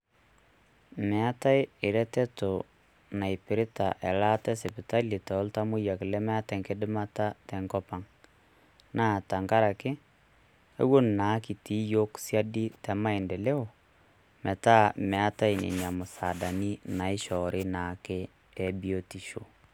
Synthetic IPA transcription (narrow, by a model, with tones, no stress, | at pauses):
mɛ˨a˦ta˦ɪ˦ɪ˨ɾɛ˦tɛ˦to˨ | na˨i˨pɪ˨ɾɪ˦ta˨ʔɛ˨la˦tɛ˦sɛ˨pɪ˨ta˦li˨tɔː˨˦lta˦mʊ˦ja˨kɪ˨lɛ˦mɛ˦a˦tɛ˨ŋkɪ˦dɪ˦ma˦ta˦tɛ˨ŋkɔ˦pa˨ŋ | naː˦˨ta˨ŋka˦ɾa˨kɪ˦ | ḛ˦wo˦nna˨˦ki˨ti˦jo˦ksja˦di˦tɛ˨ma˦i˨nde˨le˦o˨ | mɛ˨ta˦mɛ˨a˦ta˦ɪ˨nḛ˨ɲa˨mʊ˨sa˨da˨ni˦na˨ɪ˦ʃɔ˨ɾɪ˦naː˨kɪ˦ | ɛ˨bi˦o˦ti˨ʃo̰˨